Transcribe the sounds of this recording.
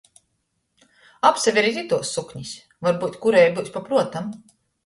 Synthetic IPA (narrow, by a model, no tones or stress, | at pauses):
apsavʲiɾizʲit̪uɔsːukɲis | vaɾbuːt̪kuɾɛjbuːsʲpapɾuɔt̪am